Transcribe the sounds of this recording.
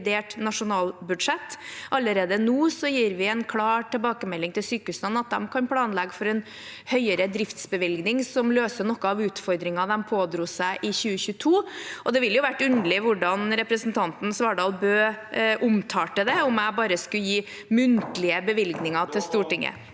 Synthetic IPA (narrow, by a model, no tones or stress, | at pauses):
d̪eːʈnɑʂʊnɑːlbʉd̪ʂɛt̪ːʔɑlːəɾeːd̪ənuːsɔjiːɾʋɪɛnkʰlɑːʈʰɛlbɑːkəmɛlːɪŋt̪ɪlsyːkəʉsənɑt̪̚d̪ɛ̰mkʰɑnpʰlɑːnlɛɡəfɔɾɛn | hœʏəɾəd̪ɾɪft̪sbəʋɪlɡnɪŋsɔmløːsənɔkːəɑʋʉːt̪fɔɾd̪ɾɪŋɑd̪ɛmpʰoːd̪ɾuːsæɪʔɪçʉːəçʉːt̪ʰuːɔd̪ɛʋɪljʊʋæʈːʉnd̪əɭɪʋʊɖɑnɾɛpɾəsn̩t̪ʰɑnt̪n̩sʋɑːɖɑːlˠbøːʔʊmt̪ʰɑːʈəd̪ɛʊmæɪbɑːɾəskʉjiː | mʉnt̪lɪəbəʋɪlɡnɪŋɑt̪ʰɪlst̪uːʈɪŋːə̰